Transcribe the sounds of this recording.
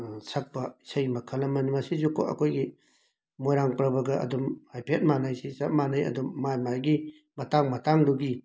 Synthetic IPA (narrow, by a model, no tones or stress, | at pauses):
sɐk̚pɐi̥sɐjmɐkʰɐlɐmɐnimɐsizukʰo̰ʔɐ̰kʰojɡi | mojɾaŋpɾɐbɐɡɐʔɐ̰dumhajpʰet̚manɐjsisɐt̚manɐjɐ̰dumːajmajɡi | mɐtaŋmɐtaŋduɡi